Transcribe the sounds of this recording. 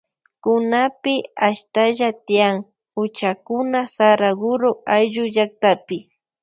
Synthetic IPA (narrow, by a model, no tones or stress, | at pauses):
kʊnapɪaʃt̪aʒat̪ɪjaŋ | ʊt͡ʃakʊnasaɾaɡʊɾoʔajʒʊʒak̚t̪apɪ